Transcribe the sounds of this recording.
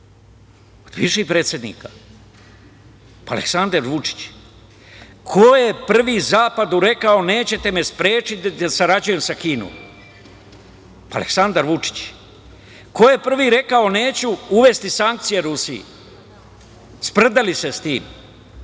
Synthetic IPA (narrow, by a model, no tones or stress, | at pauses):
od̪bḭʃipɾe̞ːt̪sʲje̞d̪nḭːkḁ | a̰le̞̰ksand̪aɾʋut͡ʂi̥t͡ɕ | kʰojepr̩ʋiːzaːpad̪uɾe̞kao̞ne̞ːt͡ɕe̞t̪e̞me̞spɾe̞ːt͡ʃit̪asaɾad͡ʑuje̞msakiːno̰m | a̰lḛksand̪aɾʋut͡ʂi̥t͡ɕ | ko̞je̞pr̩ʋiːɾe̞kao̞ne̞ːt͡ɕuuʋe̞st̪isaŋk̚t̪sijeɾusiḭ | spr̩d̪alise̞st̪iːm